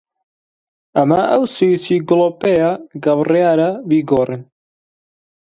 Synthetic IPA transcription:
ɐmɐʔɐwsujit͡ʃiːɡloːpejaɡɐwrjaːɾɐbiːɡoːrɨn

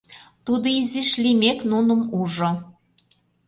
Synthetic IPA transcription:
t̪ud̪oiziʃlimeknunə̆muʒo

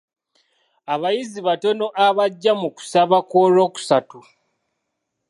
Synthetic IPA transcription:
aβajiziβato̞no̞ʔaβaɟːamuku̥saβakoːlo̞ːku̥satu

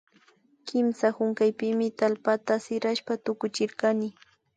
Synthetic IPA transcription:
kɪmsahʊŋkajpɪmɪt̪alpat̪asɪɾaʃpat̪ʊkʊt͡ʃɪɾkanɪ

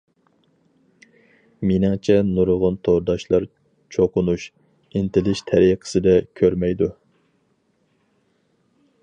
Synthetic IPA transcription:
mɪnɪŋt͡ʃʰɛnuɾʁʊnt̪ʰoɾd̪ɑʃlˠɑɾ | t͡ʃʰoqʊnuʃ | ɪnt̪ɪlɪʃt̪ʰɛɾiqʰə̥sɨd̪ɛkʲʰøɾmɛjd̪u

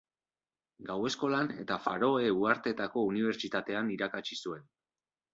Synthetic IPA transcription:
ɡawe̞sko̞lane̞̰t̪afa̰ɾo̞e̞uaɾt̪e̞t̪ako̞uniβ̞e̞ɾt͡ʃit̪at̪e̞aniɾakat͡ʃisue̞n

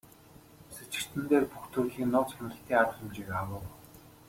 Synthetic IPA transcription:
set͡ɕɪ̆r̥t̪ʰɘ̆nt̪eːrpuxt̪ʰuɣiːŋnʊːt͡sχanrə̆ɬt̪ʰiːŋarχə̆mt͡ɕikawə̆ːw

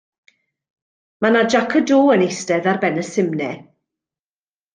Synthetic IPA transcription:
manad͡ʒakʰədoːənestɛðarbɛnəsɪmnɛ

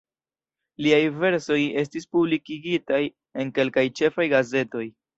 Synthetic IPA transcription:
liajve̞ɾso̞je̞s̬tispublikiɡitaj | e̞nke̞lkajt͡ʃe̞fajɡaze̞to̞j

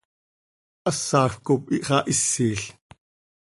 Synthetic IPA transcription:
ʔɐsːɑːxkop̚iʔχɑːʔisːiːɬ

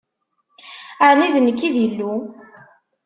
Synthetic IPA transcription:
əniðənːəkːiðilːu

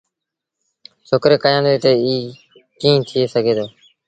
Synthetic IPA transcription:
sʰoːkɾeːkəjãːnd̪eːt̪eːiː | kĩːt̪ʰɪːeːsəɡʱeːd̪oː

